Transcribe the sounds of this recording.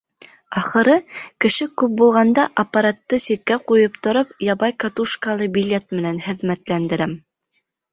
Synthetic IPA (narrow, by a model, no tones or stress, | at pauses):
ɑχɤ̆ɾɤkɘ̆ʃɘkʉp̚bulˠʁɑnd̪ɑʔɐpːaɾat̪ːɤsit̪̚kæqujɤpt̪ŏɾɤpjɑβɑjkat̪uʃkalˠɤbʲilʲet̪̚mɘ̆nænhɘ̆ðmæt̪lænd̪ɘ̆ɾæm